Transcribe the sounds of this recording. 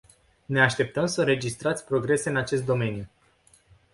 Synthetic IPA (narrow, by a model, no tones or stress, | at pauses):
ne̞aʃt̪e̞p̚t̪əmsəɾe̞d͡ʒist̪ɾat̪sʲpɾo̞ɡɾe̞se̞ɨnat͡ʃe̞st̪̚d̪o̞me̞nju